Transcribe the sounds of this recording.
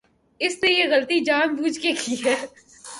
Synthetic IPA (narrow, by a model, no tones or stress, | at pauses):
ɪsnejeɣɐlt̪id͡ʒaːnbuːd͡ʒkekʰiɦɛː